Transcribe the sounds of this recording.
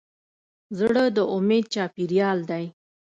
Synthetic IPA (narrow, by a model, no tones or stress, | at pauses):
zɽəd̪əʔʊmed̪̚t͡ʃɑpiɾjɑld̪aj